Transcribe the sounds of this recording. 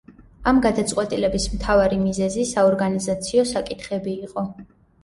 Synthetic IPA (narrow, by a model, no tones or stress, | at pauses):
amɡad̪at̪sʼqʼwɛt̪ʼilɛbismt̪ʰavaɾimizɛzisaɔɾɡanizat̪sʰiɔsakʼit̪ʰχɛbiːqʼɔ